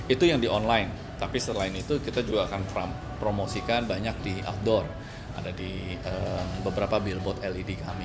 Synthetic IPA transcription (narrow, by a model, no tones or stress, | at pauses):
it̪ujaŋdiʔɔnlaɪn | t̪apisəlaɪnit̪ukit̪ad͡ʒuɡaːkanpa | pɾomosikanbaɲak̚dia̰f̚dɔr | a̰dadiəmbəbəɾapabilbɔt̪ɛlidikami